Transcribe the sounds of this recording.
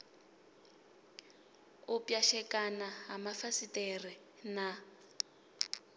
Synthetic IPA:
ʊpjaʃɛkʼanaɦamafasitʼɛri | na

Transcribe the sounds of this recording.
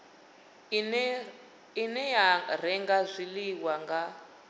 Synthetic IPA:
inɛjar̤ɛŋɡazʷiliwaŋɡa

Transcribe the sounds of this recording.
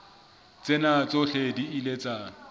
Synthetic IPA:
t͡sʼenat͡sʼoɬediilet͡sʼaː

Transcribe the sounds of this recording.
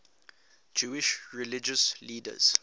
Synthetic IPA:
d͡ʒuːiʃɹilid͡ʒəsliːdə̰z̥

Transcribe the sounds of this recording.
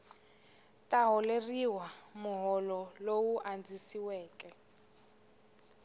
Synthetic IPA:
tʼaɦɔleriwamʊɦɔlɔlowuʔand͡zisiwɛːkʼɛ

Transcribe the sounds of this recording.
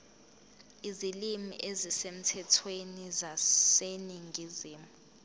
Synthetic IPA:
izilimḭʔezisem̩tʰɛtʰwenizaseniŋɡʱiziːmuu

